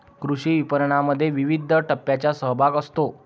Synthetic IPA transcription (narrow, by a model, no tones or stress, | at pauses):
kɾuɕiːʋipəɾɳaməd̪ʱːjeʋiʋid̪ʱəʈəpːjat͡ɕjasəɦbʱaɡəst̪o